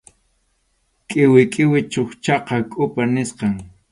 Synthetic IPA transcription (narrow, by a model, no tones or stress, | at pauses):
kʼɪwɪkʼɪwɪt͡ʃoχt͡ʃɑqɑkʼʊpanɪsqɑŋ